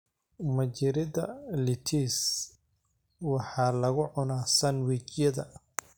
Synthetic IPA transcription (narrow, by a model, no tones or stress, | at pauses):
mɐt͡ʃɪɾɪðɐ̰lɪt̪ʰiːs | wɑħɑːlɐɣʊʕʊnaːsɐnwit͡ʃjɐðɐ̰